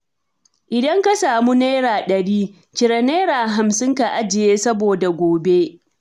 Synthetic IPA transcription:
ʔɪ˨dɐ˦ŋka˦saː˨mu˦neː˦ɾaː˨ɗɐ˨ɾiː˦ | t͡ʃɪ˨ɾɐ˨˦neː˦ɾaː˨ɦa˨msɪ˦ŋka˨ʔa˦d͡ʒɪ˨jeː˦sɐ˦boː˨da˨ɡʷoː˨be˦ʔ

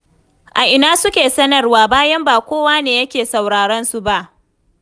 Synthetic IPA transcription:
ʔa˨ʔɪ˨naː˦sʊ˦kʲeː˨sɐ˦nɐ˨rwaː˨baː˦jɐ˦mbaː˨kʷoː˦waː˦neː˨jɐ˦kʲeː˨sa˨wɽaː˨ɽɐ˦nsu˨ba˦ʔ

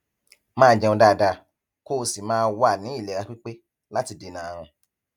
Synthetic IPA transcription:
mãː˦˨d͡ʒɛ̃˧ɔ̃˧da˦˨da˧ | ko˦˧si˨mãː˦˧wa˦˨nĩ˨˦i˦˨lɛ˨ɾa˧k͡pi˦k͡pe˦ | la˦ti˧de˨˧nãː˨˧ɾ̃ã˧

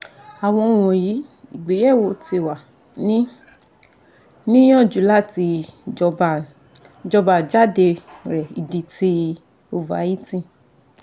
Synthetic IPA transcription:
a˨w̃ɔ̃˧˦w̃ɔ̃˨ji˨˦i˨ɡ͡be˨˦jɛ˦˨wo˧˨te˧˨wa˨ | nĩ˦ | nĩ˦j̃ɔ̃˦˨d͡ʒu˨˦la˦˨ti˧ɔ˧˨ | d͡ʒɔ˧ba˨d͡ʒa˦de˧ɾɛ˨i˨di˧ti˧ | o˨va̰˨˦ji˦tĩ˧˨

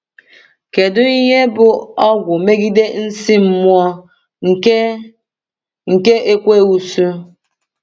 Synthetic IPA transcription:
ke˨dʊ˦i˦ɲe˦bʊ˦ɔ˦ɡʷʊ˨me˦ɡi˦de˦n̩˦si˦m̩˦mwɔ˦ | ŋ̩˨ke˦ʔe˦kʷe˦u˨su˦

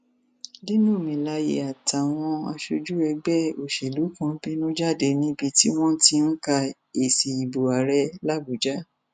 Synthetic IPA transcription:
di˦nũ˦˨mĩ˨la˧jḛ˨a˨ta˨w̃ɔ̃˧a̰˧ʃo˧d͡ʒu˦ɛ˧ɡ͡bɛ˦o˨ʃe˨lu˨˦kã˨˧˦bi˦nũ˦d͡ʒa˦˨de˧nĩ˨˦bi˧ti˦w̃ɔ̃˦ti˧n̩˦ka˧ | e˨si˨i˨bo˨a˨ɾɛ˦la˦bu˨d͡ʒa˦

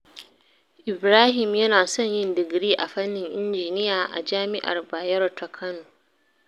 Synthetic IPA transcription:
ʔɪ˨bɾaː˦ɦɪ˨mjɐ˦naː˨sɔ˦˨ɲjɪ˦ndɪ˨ɡɾiː˦ʔa˨ɸɐ˦nːɪ˨ŋʔɪ˦nd͡ʒiː˨nɪ˦jaː˨ʔa̰˨d͡ʒaː˦mɪ˦ʔa̰˨rbaː˨jɐ˦rtʰa˨kʰɐ˦noː˨

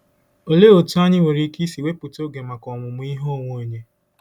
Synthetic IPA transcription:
o˨le˦o˨tu˦a˦ɲɪ˦ŋʷe˨ɾi˦ki˦si˨we˦pʊ˨to˦ɡe˨ma˨kɔ˨mʊ˨mʊ˦i˦ɦo˦˨ŋʷo˦˨ɲe˦

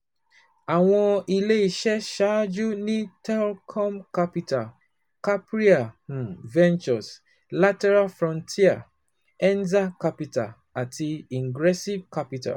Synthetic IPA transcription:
a˨w̃ɔ̃˦i˨le˦i˨ʃɛ˦ʃa˦d͡ʒu˦nĩ˦tɛ˦lkʰɔ̃˦mka˦pita˨ | ka˦pɹi˦ã˨vɛ̃˦nt͡ʃɔ˨s | la˦tɛ˦ɹa˦lfɹɔ̃˨ntʰi˦a˨ | ɛ̃˦nza˦ka˦pita̰˨ | a˨ti˨ĩ˨ŋɡɹɛ˦si˦vka˦pita̰˨

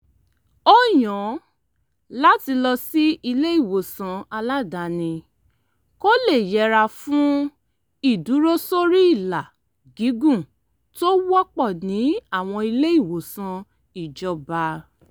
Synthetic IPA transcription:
o˦j̃ɔ̃˨˦ | la˦ti˧lɔ˧si˦i˧le˦i˦˨wo˨sã˧a˧la˦da˨nĩ˧ | ko˦le˦˨jɛ˨˦ɾa˧fũ˦ | i˦˨du˨˦ɾo˦so˦ɾi˦i˦˨la˨ | ɡi˨˦ɡũ˦˨ | to˦wɔ˦k͡pɔ˦˨nĩ˨˦a˦˨w̃ɔ̃˧i˧le˦i˦˨wo˨sã˧ | i˨d͡ʒɔ˧ba˧

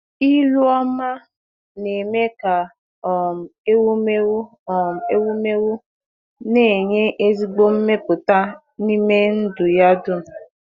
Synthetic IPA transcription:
i˦lʊ˦ɔ˦ma˦ | ne˨me˦ka˨ | ɔ˨m̩˨e˦wu˦me˦u˦ | ɔ˨m̩˨e˦wu˦me˦wu˦ | ne˦˨ɲe˦ʔe˦zi˦ɡ͡bo˦m̩˦me˦pʊ˨ta˦ | ni˦me˦n̩˦dʊ˨ja˦dʊ˦˨

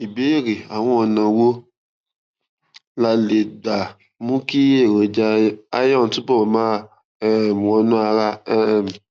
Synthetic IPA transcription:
i˨be˨˦˨ɾi˨a˨w̃ɔ̃˧ɔ˨nã˨wo˦ | la˧le˨da˨ | mũ˦ki˦e˦˨ɾo˨d͡ʒa˧˦a̰˦jɔ̃˦˨n̩˨˦tu˦bɔ˦˨mãː˦˨ | m˨wɔ̃˧nũ˦a˧ɾa˧˦˨m˨

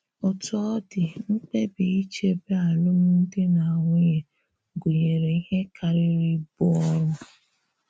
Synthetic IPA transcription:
ʊ˨tɔ˦dɪ˨ŋ͡m̩˦k͡pe˦bi˨i˦t͡ʃe˦be˦a˨lʊ˦mʊ˦n̩˦de˦na˨ŋʷe˦je˨ | ɡu˨ɲe˨ɾe˨i˦he˦kʰa˨ɾɪ˦ɾi˦bʊ˦ɔ˦ɾʊ˦

